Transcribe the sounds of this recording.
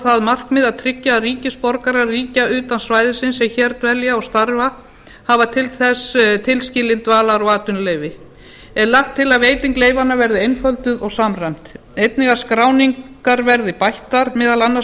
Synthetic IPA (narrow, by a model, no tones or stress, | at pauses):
θaðmar̥kmɪðaðt̪ʰɾɪcːariːcɪspɔɾkaɾariːcaʏːt̪ansvaːjðɪsɪnsːɛmçɛɾt̪vɛljaɔɣst̪aɾva | havat̪ʰɪlθɛst̪ʰɪlscɪːlɪnt̪vaːlaɾɔɣaːt̪ʏnleːjvɪ | ɛnlaxt̪ʰːɪlaðveːjt̪iŋkleːjvanːavɛɾðɪejnfœlt̪ʏðɔɣsaːmrajm̥t̪ | ejt̪̚nɪɣḁskɾaːwniŋk | aɾvɛɾðɪpajht̪aɾmɛːðalanːa